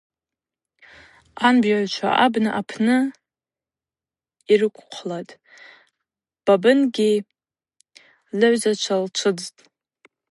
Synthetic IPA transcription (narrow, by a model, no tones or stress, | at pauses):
anbjaʕt͡ʃʷʰa̰ʔabnɨʔapʰnɨ | irɨkʷʰʼqʷʰlatʼ | b̥abɨnɡʲi | lɨʕʷzat͡ʃʷʰalt͡ʃʷʰɨd͡ztʼ